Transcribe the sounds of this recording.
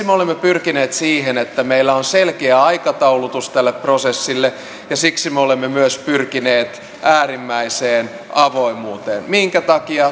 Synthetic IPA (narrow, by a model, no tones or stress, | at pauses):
meolemːepyrkineːt̪siːhenet̪ːæmeilːæonselkeæɑikɑt̪ɑulut̪ust̪ælːeprosesːilːe | jɑsiksimeolemːemyøspyrkineːt̪ | ʔæːrimːæiseːn | ʔɑʋoimuːt̪ḛːnmiŋkæt̪ɑkiɑ